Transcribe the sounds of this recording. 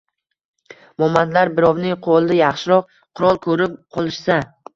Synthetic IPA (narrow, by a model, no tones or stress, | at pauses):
mɒmand̪laɾbɪɾɒwnɪŋqʰolˠd̪ajɑχʃɪɾɒq̚ | qʰʊɾɒlˠkʰɵɾɪp̚qʰɒlˠɪʃsa